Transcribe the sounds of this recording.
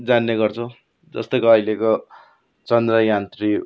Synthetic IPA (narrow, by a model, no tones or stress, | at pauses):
d͡zanːeɡʌrt͡sʰʌ | d͡zʌ̰st̪ojkoʌileko | t͡sʌnd̪rʌjant̪ri